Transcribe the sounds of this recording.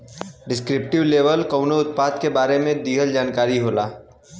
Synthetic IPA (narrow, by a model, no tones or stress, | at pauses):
ɖɪskɾɪp̚ʈɪʋleːʋəlkəʊnoʊt̪̚paːd̪kebaːɾemẽd̪iːɦəld͡ʒaːnkaːɾiɦoːlaː